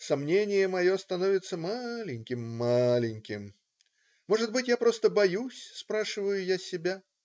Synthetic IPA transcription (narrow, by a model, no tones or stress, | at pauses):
samnʲenʲɪjəmɐjɔst̪anɔvʲɪt̪sːəmalʲɪnʲkʲɪmːalʲɪnʲkʲɪm | mɔʐɨd̪̚bɨtʲjapɾost̪əbajusʲspɾaʂɨvəjʊjasʲɪbʲa